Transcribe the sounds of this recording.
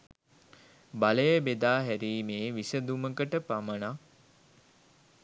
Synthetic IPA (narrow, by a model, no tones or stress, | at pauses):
baləjəbed̪aːɦæɾiːmeːʋisəd̪uməkəʈəpaməna